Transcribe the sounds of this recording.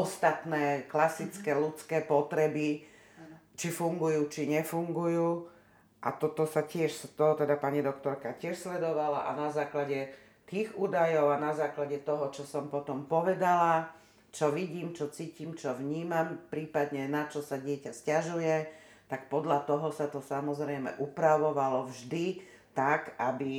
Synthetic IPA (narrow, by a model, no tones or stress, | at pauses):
ɔst̪at̪nɛːklasit͡skɛlut͡skɛːpɔt̪ɾɛbi | t͡ʃifuŋɡujuːt͡ʃiɲɛfuŋɡujuː | ʔa̰t̪ɔt̪ɔsacɪɛʃst̪ɔɦɔt̪ɛd̪apaɲid̪ɔkt̪ɔɾkacɪɛʃslɛd̪ɔʋalaʔanazaːklaɟɛ | t̪iːɣuːd̪ajɔʊanazaːklaɟɛt̪ɔɦɔt͡ʃɔsɔmpɔt̪ɔmpɔʋɛd̪ala | t͡ʃɔʋiɟiːmt͡ʃɔt͡siːcimt͡ʃɔʋɲiːmampɾiːpad̪ɲɛnat͡ʃɔsaɟɪɛcascaʒujɛ | t̪akpɔd̪ʎat̪ɔɦɔsat̪ɔsamɔzɾɛjmɛ̰ʔupɾaʋɔʋalɔvʒd̪i | t̪akabi